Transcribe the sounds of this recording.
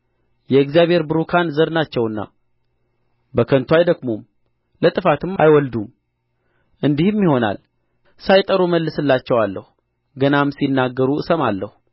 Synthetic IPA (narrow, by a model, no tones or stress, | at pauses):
jɛɨkzijaβhe̞ɾbɨɾukʰanzəɾnat͡ʃːɛwɨnːa̰ | bəkʰənt̪ʰwajd̪əɡmum | lət̪ʼɨfat̪ɨma̰jwɔld̪um | ʔɨnd̪ihɨmjiho̞na̰l | sajt̪ʼəɾuməlːɨsɨlːat͡ʃːɛwalːəhu | ɡənamsinːaɡːəɾuɨsəmalːəhu